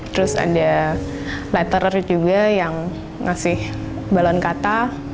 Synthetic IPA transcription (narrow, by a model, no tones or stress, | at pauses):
t̪əɾʊsa̰da | lɛt̪ərərd͡ʒuɡajaŋː | asɪh | balɔnkat̪a